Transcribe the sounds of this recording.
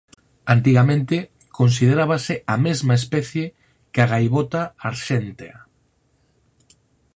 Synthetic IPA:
ant̪̬iɣamẽnt̪ɪ | kʰons̬iðeɾaβasɪamezmaespɛθje | keaɣajβot̪aːɾʃɛnt̪ea

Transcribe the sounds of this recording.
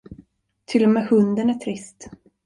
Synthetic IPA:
t̪ʰɪlːɔmeːhɵnd̪ənæʈʰɾɪst̪

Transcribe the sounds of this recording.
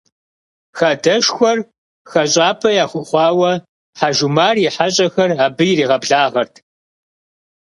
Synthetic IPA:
xaːdɐʃxʷɔr | xɐɕʼaːpʰɐjaːχʷʊχʷɑːwɐ | ħaʒumaːrjiħaɕʼɐxɐraːbɨjɪɾiːʁɐbɮaːʁɐrtʰ

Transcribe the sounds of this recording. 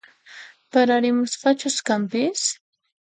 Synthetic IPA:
paɾaɾɪmʊsqɑt͡ʃʊskampɪs

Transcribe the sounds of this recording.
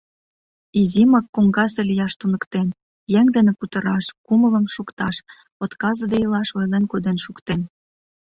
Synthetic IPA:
izimɑkːoŋɡɑsĕlijɑʃt̪unə̆kt̪en | jɛŋd̪enĕkut̪ə̆ɾɑʃkumələ̆mʃukt̪ɑʃ | ot̪kɑzɤ̆d̪ejəlɑʃojlenkod̪enʃukt̪en

